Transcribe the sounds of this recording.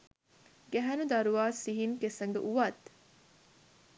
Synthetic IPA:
ɡæɦɐnud̪ɐɾuʋaːsiɦiŋkesɐŋɡə̰ʔuʋɐt̪

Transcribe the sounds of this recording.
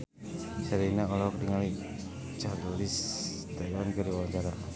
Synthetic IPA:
t͡ʃaɾinaɔlɔkdiŋali | t͡ʃarlis | t̪ɛlankaɾiwawaɲt͡ʃaɾa

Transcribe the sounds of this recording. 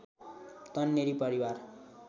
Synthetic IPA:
t̪ʌnːeɾipʌɾiwar

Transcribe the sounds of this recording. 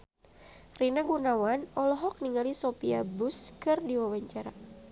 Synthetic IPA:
rinaɡunawanɔlɔɦɔk̚niŋalisopiabʊskɨrdiwawaɲt͡ʃaɾa

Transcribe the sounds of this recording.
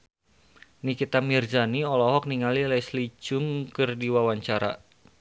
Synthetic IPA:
nikit̪amird͡ʒaniɔlɔɦɔk̚niŋalilajslid͡ʒʊŋkɨrdiwawaɲt͡ʃaɾa̰

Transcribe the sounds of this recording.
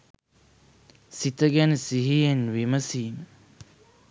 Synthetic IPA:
sit̪əɡænəsiɦijenʋiməsiːmə

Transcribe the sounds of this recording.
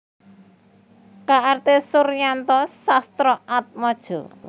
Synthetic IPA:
kaʔart̪esuɾjant̪ɔsast̪ɾɔʔat̪̚mɔd̥ʒ̥ɔ̤̰

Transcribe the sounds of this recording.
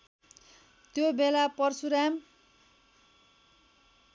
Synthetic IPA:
t̪jobelapʌrsuɾam

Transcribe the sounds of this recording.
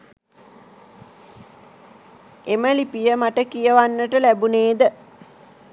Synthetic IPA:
eməlipijəmaʈəkijəʋanːəʈəlæbuneːd̪ə

